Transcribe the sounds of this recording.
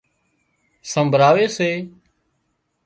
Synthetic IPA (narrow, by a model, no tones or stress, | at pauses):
səmbʱɾaːʋeːseː